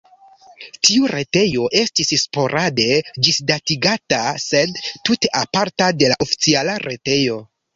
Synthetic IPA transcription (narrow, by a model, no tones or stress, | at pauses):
tiuɾe̞te̞jo̞ʔe̞stisspo̞ɾʔade̞d͡ʒisdatiɡatase̞dtute̞ʔapaɾtade̞laʔofi̥t͡sialaɾʔe̞te̞jo̞